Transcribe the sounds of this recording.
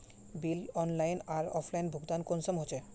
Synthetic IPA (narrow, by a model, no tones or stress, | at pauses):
bilɔnlajnaɾɔfʰlajnbʱuɡd̪ankonsomɦot͡ɕʰe